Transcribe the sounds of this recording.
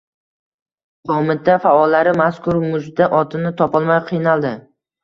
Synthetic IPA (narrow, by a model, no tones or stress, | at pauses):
qʰɒmɪt̪afaɒlːaɾɪmaskʊɾmʊd͡ʒd̪aʔɒt̪ʰɪnɪt̪ʰɒpɒlˠmajqʰɨjnalˠd̪ɪ